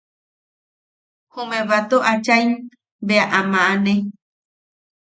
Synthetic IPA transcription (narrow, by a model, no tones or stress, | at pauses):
humẽβat̪oʔat͡ʃajn | beaʔamãʔane